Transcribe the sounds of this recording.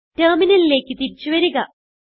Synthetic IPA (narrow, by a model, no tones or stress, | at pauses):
ʈɐːminɐlile̞ːkːɨt̪iɾit͡ɕːuʋɐɾuɣɐ